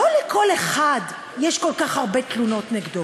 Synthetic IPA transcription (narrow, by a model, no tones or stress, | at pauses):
olekʰo̞leχad | jeʃkolkaχhaʁbet̪luno̞tneɡd̪o